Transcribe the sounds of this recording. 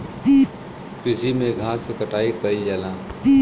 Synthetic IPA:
kɾɪsimẽɡʱaːsekəʈaːikəid͡ʒaːlãː

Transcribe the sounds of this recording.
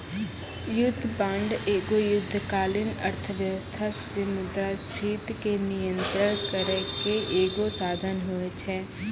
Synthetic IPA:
jʊd̪ʱːpãɳɖeːɡojʊd̪ʱːkaːlɪnəɾt̪ʰəʋjəʋəst̪ʰas | ɪmʊd̪ɾasɾʰiːt̪kenɪjə̃nt̪ɾəɾkəɾəkeʔeːɡosaːd̪ʱənɦoet͡ʃʰɛː

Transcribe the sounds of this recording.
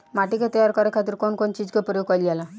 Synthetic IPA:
maʈikat̪ɔjaɾkɔɾekʰat̪iɾkonkont͡ʃid͡ʒkepɾɔjoɡ̚kɔliala

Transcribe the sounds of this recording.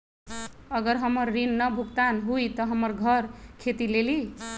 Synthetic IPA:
ʌɡʌɾɦʌmʌɾːinːʌbʱukt̪anɦujt̪ʌɦʌmʌɾɡʱʌɾkʰet̪ileli

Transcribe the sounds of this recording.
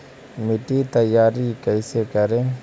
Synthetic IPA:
mɪʈit̪ɐjːaːɾikɛːsekɐɾẽː

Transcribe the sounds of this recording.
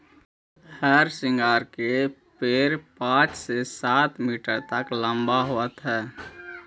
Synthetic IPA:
hɛːɾsɪ̃ŋɡaːɾke | peːɾpãːt͡ʃsesaːt̪miːʈəɾt̪əklə̃mbaɦoət̪ɦɛː

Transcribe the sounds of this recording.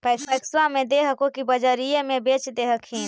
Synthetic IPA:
pɛːɛːswamẽd̪eɦəkokibəd͡ʒəɾijemẽbeːt͡ʃd̪eːɦəkʰɦĩːn

